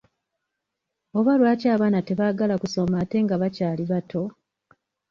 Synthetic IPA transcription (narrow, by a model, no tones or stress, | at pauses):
o̞βwalwaːcaːβaːnate̞βaːɡalakuso̞maːte̞ŋɡaβacaːliβatʰo̞